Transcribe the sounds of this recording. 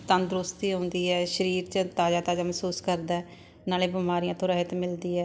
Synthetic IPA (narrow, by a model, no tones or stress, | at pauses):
t̪ənd̪ɾʊst̪iːɦõːnd̪iːɛːʃəɾiːɾt͡ʃət̪aːd͡ʒaːt̪aːd͡ʒaːməsuːskəɾd̪aːɛː | naːleːbɪmaːɾijãːt̪õːɾəɦət̪mɪld̪iːɛː